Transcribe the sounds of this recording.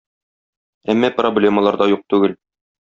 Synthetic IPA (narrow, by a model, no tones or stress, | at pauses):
æmːæproblʲe̞məlˠɑɾd̪ɑjuq̚t̪ʉɡɘl